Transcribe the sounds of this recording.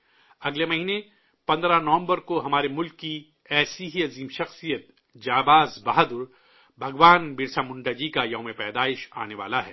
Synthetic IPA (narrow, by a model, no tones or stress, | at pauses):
ɐɡlemɐɦiːne | pɐ̃nd̪ɾanɐʋə̃mbəɾkoɦɐmaːɾemʊlkːi | ɛːsiɦiɐziːmʃɐxsijət̪̚ | d͡ʒaːbaːzbaɦad̪ʊɾ | bʱɐɡʋaːnbɪɾsamʊ̃ɳɖad͡ʒikajɐːmepɛːd̪aːɪʃa̰ːneʋa̰ːlaɦɛ̰ː